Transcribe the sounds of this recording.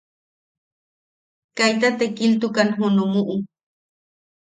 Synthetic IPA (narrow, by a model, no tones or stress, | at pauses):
kajt̪at̪ekilt̪ukanɦunumuʔu